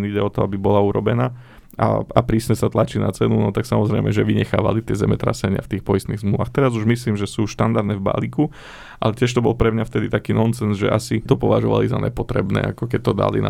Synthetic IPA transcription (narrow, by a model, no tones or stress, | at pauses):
niɟɛɔt̪ɔabibɔlauɾɔ̰bɛnaː | a̰apɾiːsɲɛsat̪lat͡ʃina̰t͡sɛnunɔt̪aksamɔzɾɛɪmɛʒɛʋiɲɛxaːʋa̰lit̪ɪɛzɛmɛt̪ɾa̰sɛɲɪa̰ft̪iːxpɔjist̪niːɣzmluʋaxt̪ɛɾazuʒmisliːmʒɛsuːʃt̪and̪aɾd̪nɛvba̰liku | ʔalɛtɪɛʃ̬t̪ɔbɔlˠpɾɛmɲaft̪ɛd̪it̪akiːnɔnsɛnzʒɛ̰ʔasit̪ɔpɔʋaʒɔʋa̰liza̰ɲɛ̰pɔt̪ɾɛ̰bnɛ̰ːakɔkɛc̚t̪ɔd̪a̰lḭn̰